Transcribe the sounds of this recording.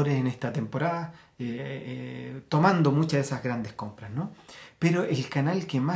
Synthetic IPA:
oɾesenest̪at̪e̞mpo̞ɾaða | e | t̪o̞mand̪o̞mut͡ʃaesazɣɾand̪esko̞mpɾasnopeɾoʔelkanalkema

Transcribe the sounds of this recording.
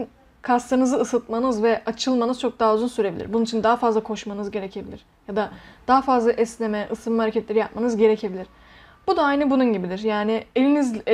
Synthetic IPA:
kʰast̪ˠaɾnɯzɯːsɯt̪̚manɯzvɛʔat͡ʃʰɯlˠmanɯzt͡ʃʰo̞k̚d̪aːuzunsyɾe̞bilʲḭɾbununit͡ʃʰind̪aɦafazlˠakʰo̞ʃmanɯzɟe̞ɾecʰe̞bilʲiɾ̥ | jad̪ad̪̥aːafazlˠaʔɛslʲe̞mɛʔɯsɯmhaɾecʰɛt̪lʲe̞ɾijap̚manɯzɟe̞ɾecʰe̞bilʲiɾ̥ | b̥ud̪aajnɯbununɟibid̪iɾjaːnɪelʲiniz

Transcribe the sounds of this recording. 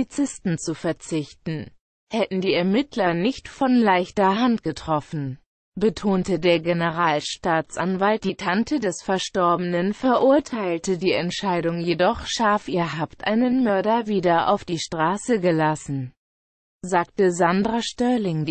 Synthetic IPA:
it͡sɪstn̩t͡sufɛɐt͡sɪçtn̩ | hɛtn̩diːɛɐmɪtʰlɐnɪçtfɔnlaɪçtɐɦantɡ̥ətʁ̥ɔfn̩ | bətʰoːntədeːɐɡenəʁaːlʃtaːt͡sʔanvalt̚d̥iːtʰantʰədɛsfɛɐʃtɔɐbənənfɛɐʔʊɐtʰaɪltədiːɛntʃaɪdʊŋjedɔχʃaɐfʔiːɐɦaːptʔa̰ɪnənmœɐɾɐviːdɐʔa̰ʊfd̥iːʃtʁ̥aːsəɡəlasn̩ | zaːktəzandʁaʃtœɐlɪŋ

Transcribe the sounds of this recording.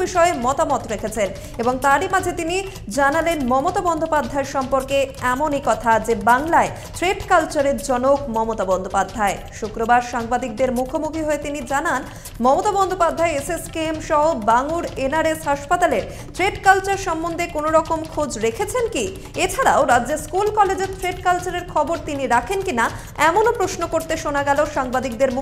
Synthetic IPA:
biʃɔemɔt̪amɔt̪ɾekʰet͡ɕʰen | eboŋt̪aɾimad͡ʑʱet̪ini | d͡ʑanalenmɔmot̪abɔnd̪ʱopad̪ʱːaeɾʃɔmpoɾkeɛmonikɔt̪ʰad͡ʑebaŋlae | tɾeɖkalt͡ɕaɾeɾd͡ʑɔnokmɔmot̪abɔnd̪ʱopad̪ʱːae | ʃukɾobaɾʃaŋbad̪ik̚d̪eɾmukʰomukʰiɦoet̪inid͡ʑanan | mɔmot̪abɔnd̪ʱopad̪ʱːaeeseskiemʃɔɦobaŋuɾenaɾesɦaʃpat̪aleɾ | t̪ɾeɖkalt͡ɕaɾʃɔmːond̪ʱekonoɾɔkomkʰod͡ʑɾekʰet͡ɕʰenki | et͡ɕʰaɾaoɾadːd͡ʑeskulkɔled͡ʑet̪ʰɾeɖkalt͡ɕaɾeɾkʰɔboɾt̪iniɾakʰenkina | ɛmonopɾosnokoɾt̪eʃonaɡɛloʃaŋbad̪ik̚d̪eɾmu

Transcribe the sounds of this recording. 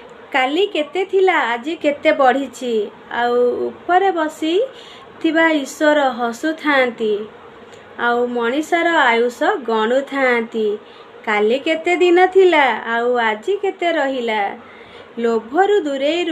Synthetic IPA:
kaliket̪et̪ʰilaːd͡ʒiket̪ebɔɽ̤it͡ʃʰi | a̰wṵpɔɾebɔsi | t̪ʰibaiswɔɾɔɦɔsut̪ʰant̪i | awmɔɽ̃isɔɾɔajusɔɡɔɽ̃ut̪ʰant̪i | kaliket̪ed̪inɔt̪ʰilaːwad͡ʒiket̪eɾɔɦila | lobʱɔɾud̪uɾejɾ

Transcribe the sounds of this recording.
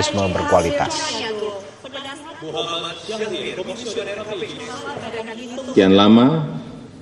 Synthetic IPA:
isməbərkuwalit̪a̰s | janlama

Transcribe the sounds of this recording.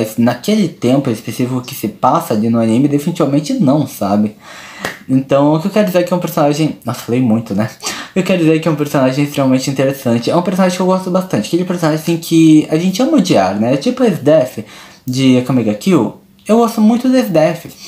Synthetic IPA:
jznakelɪt̪ẽmpʊespesifikʊkɪsɪpasɐlɪnʊanĩmɪd̪efinit͡ʃivamẽnt͡ʃɪnɐ̃w̃sabɪ | ẽnt̪ɐ̃w̃ʊkɪewkɛɾʊd͡ʒizeɾkɪɛũpeɾsonaʒẽj̃nɔsfalejmũj̃t̪ʊnɛewkɛɾʊd͡ʒizeɾkɪɛũpeɾsõnaʒẽj̃ɪst̪ɾemɐmẽnt͡ʃɪĩt̪eɾesɐ̃nt͡ʃɪɛũpeɾsonaʒẽkewɡɔst̪ʊbast̪ɐ̃t͡ʃɪɐkelɪpeɾsonaʒẽĩkʰɪaʒẽnt͡ʃɪɛmod͡ʒiaɾnɛt͡ʃipʊesd̪ɛfɪ | d͡ʒɪkomiɡakiw | ewɡɔst̪ʊmũj̃t̪ʊd̪esd̪ɛfɪ

